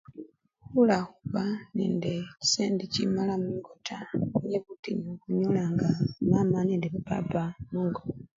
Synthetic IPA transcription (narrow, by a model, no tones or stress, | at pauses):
hulaxuβanḛːndeci̥seːndicḭmalamuːŋɡotʰajeβutiɲokuɲolaŋɡamamaneːndeβupa̰pamuːŋɡoa